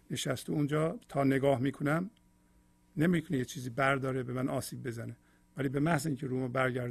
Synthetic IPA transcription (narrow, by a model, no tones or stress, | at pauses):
ne̞ʃæst̪uund͡ʒɒːt̪ʰɒːne̞ɡɒːhmiːkʰonæm | ne̞mik̪ʰonejet͡ʃʰiːziːbæɾd̪ɒːɾebe̞mænɒːsiːb̚ːe̞zæne | væliːbe̞mæhziːŋcʰeɾuːmæbæɾɟæɾ